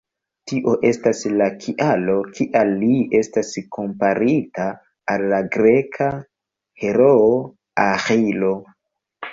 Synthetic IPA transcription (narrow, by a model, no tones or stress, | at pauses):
tiʔo̞ʔe̞staslakʰiʔalo̞kiʔalie̞stasko̞mpaɾitaː | lːaɡɾe̞kʰa | heɾo | axilo̞